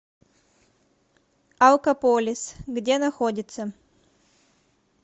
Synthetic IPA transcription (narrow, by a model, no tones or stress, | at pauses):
ɐlˠkɐpolʲɪsɡdʲenɐxodʲɪt̪sə